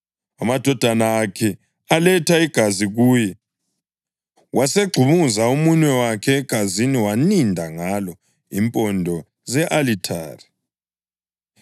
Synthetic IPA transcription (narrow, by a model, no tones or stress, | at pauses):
amad̥ʱɔd̥ʱanaːkʰɛ | alɛtʰaiɡ̥ʱaziɣuːjɛ | wʔaseɡ͡ǀʱuβuzaumuɲɛwakʰɛːɡ̥ʱaziniwanindʱaŋalɔ | impʼɔndʱɔ | zɛʔalitʰaːri